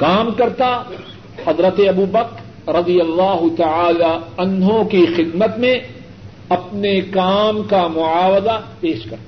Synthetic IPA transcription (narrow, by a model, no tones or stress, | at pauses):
kaːmkɐɾt̪a | hɐzɾət̪eɐbuːbɐk | ɾɐd̪ijɐlːaːɦʊt̪ɐʕaːlaɐnɦõkixɪd̪mət̪mẽ | ɐpnekaːmkamʊaːwəzapeːʃkɐɾt̪ː